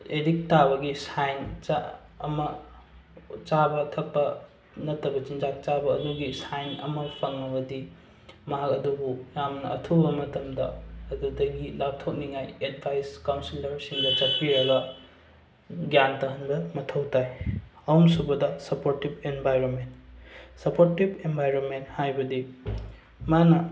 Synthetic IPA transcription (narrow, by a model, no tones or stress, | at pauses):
edik̚taβɐɡisajnt͡ʃa̰ːmɐ | t͡ʃabɐtʰɐk̚pːɐ | nɐtːɐbɐt͡ʃind͡ʒak̚t͡ʃabɐːduɡisajnɐ̰mɐpʰɐŋɐbɐdi | mɐɦakɐdubujamnɐʔɐ̰tʰubɐmɐtɐmdɐ̰ɐdudɐɡilap̚tʰok̚niŋajed̚bʱajskawnsilɐɾsiŋdɐt͡ʃɐt̚piɾɐɡɐ | ɡjantɐɦɐnbɐmɐtʰɐwtʰajɐwumsubɐdɐsɐpoɾtib̚enbʱajɾonmentsɐpoɾtibenbʱajɾonmenthajbɐdi | manɐ